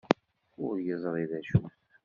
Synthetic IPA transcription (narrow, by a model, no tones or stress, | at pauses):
ʊɾjəzˤɾˤiðæʃuθ